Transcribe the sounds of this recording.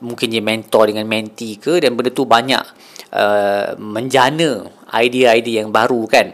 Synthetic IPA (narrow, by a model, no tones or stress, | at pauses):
mũŋkɪnjamɛ̃nt̪ɔrdəŋãnmɛ̃nt̪ikədanbəndət̪ubaɲa̰ʔ̚ | ʔə̰mə̃ɲd͡ʒanə̃a̰jdiaajdiajaŋbaɾukan